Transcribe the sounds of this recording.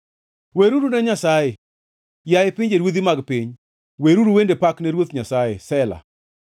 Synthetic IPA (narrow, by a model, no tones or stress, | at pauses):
weɾuɾunɛɲasaje | jajɪpɪɲd͡ʒeɾwod̪imaɡpɪɲ | weɾuɾuwendepaknɛɾwot̪ɲasajesɛla̰